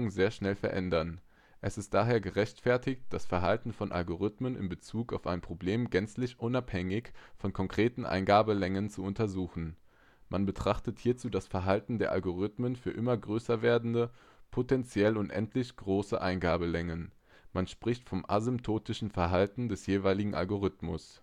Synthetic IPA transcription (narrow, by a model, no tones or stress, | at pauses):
ŋzeːɐʃnɛlfɛɐʔɛ̰ndɐn | ʔɛsɪst̚d̥aːɦeːɐɡəʁɛçtfɛɐtɪkt̚d̥asfɛɐɦaltn̩fɔnʔa̰lɡoʁ̞ʏtmənɪ̰mbət͡suːkaʊfaɪnpʁ̥obleːmɡɛnt͡slɪçʔʊnaphɛŋɪçfɔnkʰɔŋkʁ̥eːtn̩ʔa̰ɪnɡaːbəlɛŋənt͡suʊntɐzuːxn̩ | manbətʁ̥aχtəthiːɐt͡suːdasfɛɐɦaltn̩deːɐʔa̰lɡoʁ̞ɪtmənfyːɐʔɪmɐɡʁøːsɐveːɐdn̩də | pʰotɛnt͡sjɛlʊntʔɛ̰ntʰlɪçɡ̥ʁoːsə̰ʔaɪnɡaːbəlɛŋən | manʃpʁ̥ɪçtfɔmʔa̰zʏmptʰoːtɪʃn̩fɛɐɦaltn̩dɛsjeːvaɪlɪɡŋ̩ʔa̰lɡoʁ̞ɪtmʊs